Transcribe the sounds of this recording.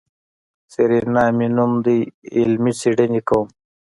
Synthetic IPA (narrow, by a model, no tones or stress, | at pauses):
seɾinaːminumd̪iːlmit͡siɖenikom